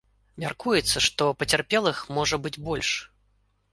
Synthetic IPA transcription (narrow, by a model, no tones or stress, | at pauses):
mʲarkujɛt̪sːɐʂt̪ɔpɐt͡sʲɛrpʲɛlˠɨxmɔʐɐbɨd͡zʲbɔlʲʂ